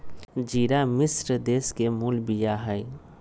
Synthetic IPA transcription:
d͡ʒiːɾamɪsɾəd̪eːskemuːlbijaɦəj

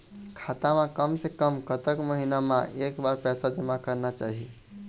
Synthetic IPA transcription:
kʰat̪amãkəmsekəmkət̪əkməɦinamã̰ʔeːkbaɾpɛːsad͡ʒəmãkəɾnat͡ʃaːɦi

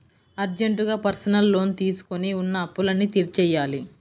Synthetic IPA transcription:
ɐɾd͡ʒeɳʈuɡaːpɐɾsɐnɐlːo̞ːnt̪iːsu̥koniunːɐːpːulɐnːit̪iɾt͡ʃɛːjːaːli

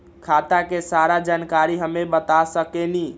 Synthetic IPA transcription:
kʰat̪akesaɾad͡ʒankaɾiɦəmebət̪asəkeni

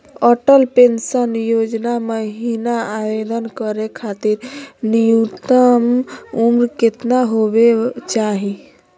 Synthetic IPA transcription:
ɔʈəlpensənjod͡ʒnaməɦinaabed̪ənkəɾekʰat̪iɾnijut̪əmumɾket̪naɦobet͡ʃaɦi

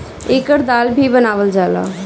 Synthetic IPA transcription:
ekəɾd̪albʱibənaʋəld͡ʒala̰

